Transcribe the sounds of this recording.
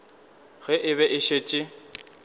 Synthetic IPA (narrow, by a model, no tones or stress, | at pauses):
ɣɛʔɪbɛʔɪʃet͡ʃʼɪ